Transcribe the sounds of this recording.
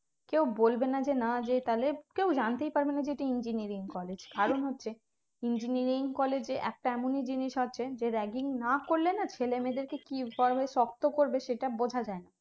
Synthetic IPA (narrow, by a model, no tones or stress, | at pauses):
kewbolbenad͡ʑenad͡ʑet̪alekewd͡ʑant̪ejpaɾbenad͡ʑeʈiind͡ʑiniɾiŋkɔled͡ʑkaɾonɦotːɕʰe | ind͡ʑiniɾiŋkɔled͡ʑeʔɛ̰k̚ʈaɛmonid͡ʑiniʃɦotːɕʰed͡ʑeɾɛɡiŋnakoɾlenat͡ɕʰelemed̪eɾkekikɔɾbʱaeʃɔk̚t̪okoɾbeʃeʈabod͡ʑʱad͡ʑaena